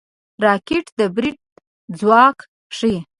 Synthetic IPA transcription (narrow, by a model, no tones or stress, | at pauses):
ɾɑkɪʈd̪əbɾiʈ̚ | d͡zwɑk | ʂi